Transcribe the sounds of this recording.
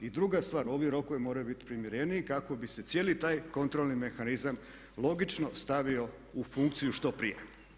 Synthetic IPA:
id̪ɾuɡast̪ʋaːɾo̞ʋiɾo̞koemoɾajubit̪i̥pɾimjeɾeniikako̞bise̞t̪sje̞ːlit̪aːjko̞nt̪ɾolˠnime̞xanizam | lˠo̞ɡit͡ʃno̞st̪aʋio̞ | ufuŋkt̪sijuʃt̪o̞pɾḭjḛ

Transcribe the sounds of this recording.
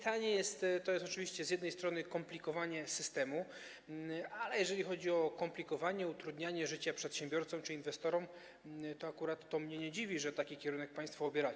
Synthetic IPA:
t̪aɲɛjɛst̪t̪ːɔjɛst̪ɔt͡ʂɘvʲiɕt͡ɕɛzʲjɛd̪nɛjst̪ɾɔnɘkɔmplʲikɔvaɲɛsɘst̪ɛmu | alɛjɛʐɛlʲixɔd͡ʑiɔkɔmplʲikɔvaɲɛut̪ɾud̪ɲaɲɛʐɘt͡ɕapʂɛt̪ɕɛ̃mbʲjɔɾt̪sɔmt͡ʂɘinvɛst̪ɔɾɔm | t̪ɔakuɾat̪ːɔmɲɛɲɛd͡ʑivʲiʐɛt̪akʲikʲɛɾunɛk̚paj̃st̪fɔːbʲjɛɾa

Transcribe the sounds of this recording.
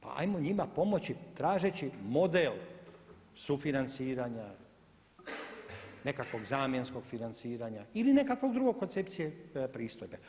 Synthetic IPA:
pa̰a̰jmo̞ɲimapo̞mo̞t͡ɕit̪ɾaːʒet͡ɕimo̞d̪el | sufinant̪siːɾaɲa | ne̞kakʋo̞ɡzaːmje̞nsko̞ɡ̥finant̪siːɾaɲailine̞kakʋo̞ɡd̪ɾuɡo̞ɡ̚kːont̪se̞p̚t̪sijepɾiːst̪ojbe

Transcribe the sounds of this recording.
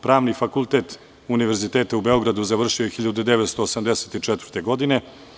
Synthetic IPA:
pɾaːʋnifakulˠt̪e̞t̪ | uniʋeɾzit̪eːt̪aubeo̞ɡɾad̪uzaʋr̩ʃiojxiʎːad̪ud̪eʋet̪st̪oosamd̪eset̪it͡ʂɛt̪vrt̪e̞ɡo̞d̪ine̞

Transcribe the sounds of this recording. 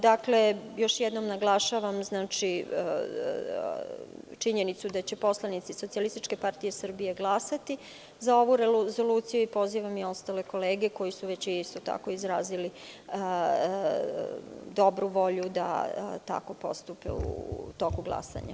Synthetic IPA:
d̪akle̞jo̞ʃjed̪no̞mnaɡlˠaʃaʋamznaːt͡ʃi | t͡ʃiɲe̞nit̪sud̪at͡ɕe̞po̞slˠanit̪siso̞t̪ialist̪it͡ʃke̞paɾt̪ije̞sr̩bije̞ɡlˠasat̪i | zao̞ʋuɾezo̞luːt̪sijuipo̞ziʋamio̞st̪ale̞ko̞leːɡe̞ko̞jisuʋe̞t͡ɕiist̪o̞t̪a̰ko̞izɾaːzili | d̪o̞bɾuʋo̞ʎud̪a̰t̪a̰ko̞po̞̰st̪upḛṵt̪o̞kuɡlˠa̰sa̰ɲa̰

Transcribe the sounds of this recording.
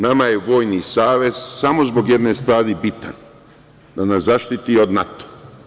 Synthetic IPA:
namajeʋo̞ːjnisaːʋe̞z̥samozbo̞ɡjed̪ne̞ːst̪ʋaːɾibit̪an | d̪anaszaʃt̪it̪iod̪nat̪o̥

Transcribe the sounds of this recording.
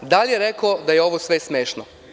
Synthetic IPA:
d̪alʲjeɾekaod̪ajeo̞ʋosʋesmeːʃno

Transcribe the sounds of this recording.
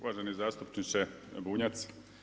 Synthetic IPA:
uʋaʒenizaːst̪upt͡ʃnit͡ʃebuːɲat̪s

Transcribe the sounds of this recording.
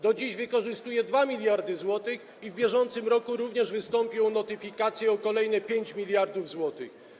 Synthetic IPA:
d̪ɔd͡ʑiʑvɘkɔʐɘst̪ujɛd̪vamʲilʲjaɾd̪ɘzwɔt̪ɘx | ivbʲjɛʐɔnt̪sɘmɾɔkuɾuvɲɛʐvɘst̪ɔmpʲjɔ̃w̃nɔt̪ɘfʲikat̪sʲjɛɔkɔlɛjnɛpʲjeɲt͡ɕmʲilʲjaɾd̪uvzwɔt̪ɘ̰x

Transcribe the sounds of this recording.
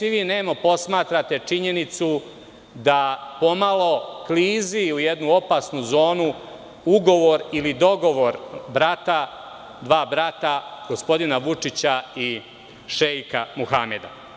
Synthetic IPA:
siʋiːne̞ːmapo̞smaːt̪ɾat̪e̞t͡ʂiɲe̞nit̪su | d̪apo̞malˠo̞kliːziujed̪nuo̞paːsnuzo̞ːnu | uɡo̞ʋo̞ɾilid̪o̞ɡo̞ʋo̞ɾbɾat̪a | d̪ʋaːbɾat̪aɡ̥o̞spo̞d̪inaʋut͡ʂit͡ɕai | ʃejkamuxame̞d̪a̰

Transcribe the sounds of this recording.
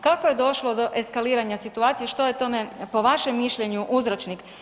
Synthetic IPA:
kakoje̞d̪o̞ʃlod̪o̞ʔe̞skaliːɾaɲasit̪uaːt̪sijeʃt̪o̞jet̪o̞me̞po̞ʋaʃemːiʃʎʲe̞ɲuʔuzɾot͡ʃnik

